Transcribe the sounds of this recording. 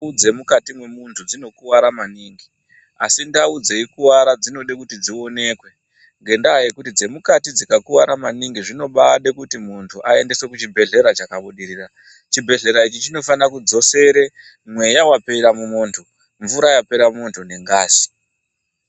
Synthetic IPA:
ud͡ze̞mukatimwe̞muntʰud͡zino̞kuʋaɾamaniːŋɡi | a̰sindaud͡ze̞ikuwaɾad͡zino̞ɗekutid͡zio̞ne̞ːkwe̞ | ŋɡe̞ndaːjekutid͡ze̞mukatid͡zikakuʋaɾamaniŋɡiʐino̞ɓaɗekutimuntʰuʔae̞nde̞swe̞kut͡ʃibʱe̞ɮe̞ɾat͡ʃakaɓuɗiriːra | t͡ʃibʱe̞ɮe̞ɾait͡ʃit͡ʃino̞fanakud͡zo̞se̞ɾe̞ | mwe̞jawape̞ɾamumoːntʰu | ɱvuɾajape̞ɾamuntʰune̞ŋɡaːsi̥

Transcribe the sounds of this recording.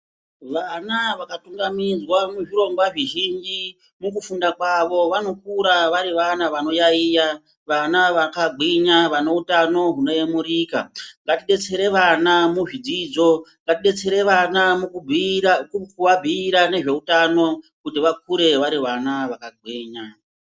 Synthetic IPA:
ʋanaʋakatuŋɡamid͡zwamuʐiɾo̞ŋɡwaʐiʒind͡ʒi | muk̬ufundakwaʋo̞ʋano̞kuɾaʋaɾiʋanaʋano̞jaiːja | ʋanaʋakaɡʱiɲaʋano̞utano̞ɦuno̞jemuɾiːka̰ŋɡatiɗe̞t͡se̞ɾe̞ʋanamuʐid͡zid͡zo̞ŋɡatiɗe̞t͡se̞ɾe̞ʋanamukubʱikkuʋabʱiːɾane̞ʐe̞utano̞ | kutiʋak̚uɾe̞ʋaɾiʋanaʋakaɡ͡bʱiːɲa

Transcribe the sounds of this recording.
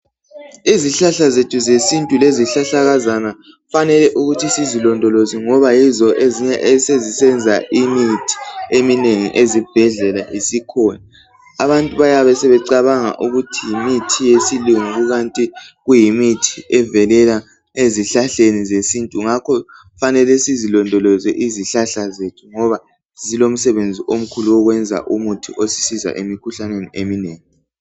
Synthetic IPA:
iziɬaɬazetʰuzesintʼuleziɬaɬaɣazana | fanɛlɛʔuɣutʰisizilɔndʱɔloziŋɔβajizɔʔeziɲɛʔɛsezisɛnd͡zʱaʔimitʰi̥emineŋḭʔezib̥ʱɛɮɛlaʔisikʰɔna | aβantʼuβajaβɛsɛβɛǀaβaŋa̰ʔuɣutʰijimitʰijesiluŋuɣuɣantʼiɣujimitʰiɛvɛlɛla | eziɬaɬenizesintʼuŋakʰɔ | fanɛlɛsizilɔndʱɔlɔzɛʔiziɬaɬazetʰuŋɔβa | z̥ilom̩sɛβend͡zʱiʔom̩kʰuluwɔɣwɛnd͡zʱa̰ʔumutʰiʔosi̥siza̰ʔemikʰuɬaneniemineːŋi

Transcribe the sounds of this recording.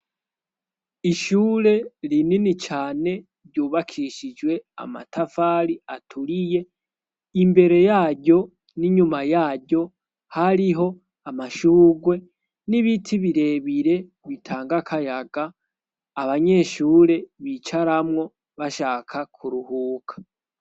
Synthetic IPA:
iʃuːɾe̞ɾininit͡ʃaːne̞ | βɟuːβakʰiʃid͡ʒwe̞a̰ma̰tʰafaːɾiatʰuɾije̞ | imbe̞ɾe̞jaːɟo̞ | niɲumajaːɟo̞ | haɾiɦo̞ | amaʃuːɡwe̞ | niβitʰiβiɾe̞βiɾe̞ | βitʰaːŋɡakʰajaɡaː | βaɲe̞ʃuːɾe̞βit͡ʃaɾamŋo̞ | βaʃaːkʰakʰuɾuhuːkʰḁ

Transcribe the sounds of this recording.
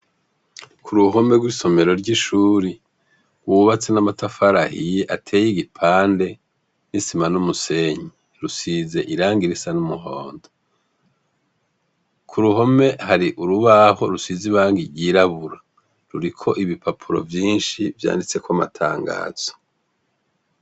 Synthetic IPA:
kʰuɾuɦo̞me̞ɡwiso̞me̞ɾo̞ɾɟiʃuːɾi | ɡwuβat͡senamatafaɾahijeʔatʰe̞ːjiɡipʰaːnde̞ | nisimanumuse̞ɲi | ɾusize̞ʔiɾaːŋɡiɾisanumuɦoːndo | kʰuɾuɦo̞me̞haɾiʔuɾuβaho̞ɾusiziβaːŋɡiɾɟiɾaβuɾa | ɾuɾikʰo̞ʔiβipʰapʰuɾo̞̰vjiːnʃivja̰ːndit͡se̞kwama̰tʰa̰ːŋɡa̰ːz̥o̥

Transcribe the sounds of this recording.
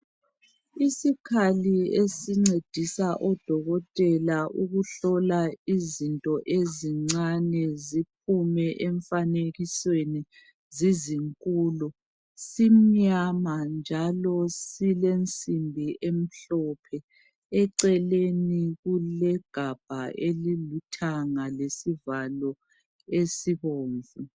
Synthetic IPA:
isikʰaliesiŋ͡ǀed̥ʱisaʔɔd̥ʱɔɣɔtʼɛlaʔuɣuɬɔlaizintʼɔʔeziŋ͡ǀanɛzip̚umɛʔɛɱfaneɣisweni | ziziŋkʼulu | sim̩ɲamand͡ʒʱalɔsilent͡sʼimbʱiʔem̩ɬɔpʰɛ | ɛǀɛleniɣulɛɡ̥ʱab̥ʱaʔelilutʰaŋalesivalɔ | esiβoːɱvu

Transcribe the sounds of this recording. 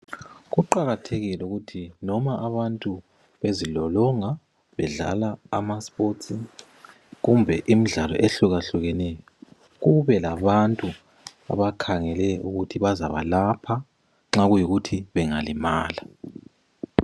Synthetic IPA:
ɣuǃaɣatʰeɣilɛuɣutʰinɔmaʔaβantʼu | βezilɔlɔŋa | βɛɮa̰la̰ːmaspʼoti | ɣumbʱɛʔim̩ɮalɔ̰ʔeɬuɣaɬuɣɛnɛjɔ | ɣuβɛlaβantʼu | a̰βakʰaŋɛlɛʔuɣutʰiβaza̰βalapʰa | ŋ͡ǁaɣujiɣutʰiβɛŋalimaːla

